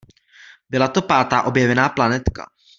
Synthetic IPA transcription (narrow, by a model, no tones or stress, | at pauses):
bɪlat̪o̞paːt̪aːʔo̞bjɛvɛnaːplanɛt̪ka̰